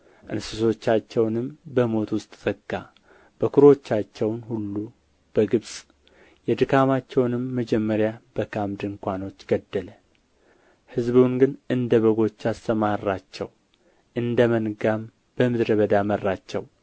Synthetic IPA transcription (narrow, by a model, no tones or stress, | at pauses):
ʔɨnsɨso̞t͡ʃːat͡ʃːɛwnɨmbəmo̞t̪wʊst̪ʼzʼəɡa | b̥əkʰuɾo̞t͡ʃːat͡ʃːɛwnhulːu | b̥əɡɨβsʼ | jɛd̪ɨkʰamat͡ʃːɛwnɨmːəd͡ʒɛmːəɾjabəkʰamd̪ɨŋkʷano̞t͡ʃːɡ̥əd̪ːələ | hɨzbunɡɨnɨnd̪əβəɡo̞t͡ʃːast̪əmarːat͡ʃːɛw | ʔɨnd̪əmənɡam | b̥əmɨd̪ɾəβəd̪amərːat͡ʃːɛw